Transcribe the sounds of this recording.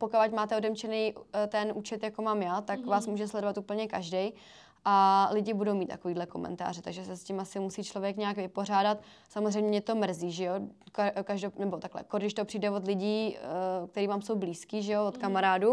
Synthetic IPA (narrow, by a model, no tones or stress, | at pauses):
pokalacmaːt̪ɛodɛmt͡ʃɛnɛjt̪ɛnʔuːt͡ʃɛt̪jakomaːmjaːt̪akvaːsmuːʒɛslɛdovat̪uːpl̩ɲɛkaʒdɛj | ʔalɪɟɪbudowmiːt̪t̪ːa̰ko̞viːdlɛko̞̰mɛ̰nt̪a̰ːr̝ɪt̪aɡʒɛsɛscɪmasɪmusiːt͡ʃlo̞vjɛkɲɛakvɪpo̞r̝aːdat̪ | samozrɛjmɲɛɲɛt̪o̞mr̩ziːʒɛjokkaʒdonɛbot̪aklɛ̰koɾɡdɪʃt̪o̞pr̝̥iːdɛvod̪lɪɟiːk̚t̪ɛɾiːvaːmso̞wbliːskiːʒɛjovot̪kamaɾaːdu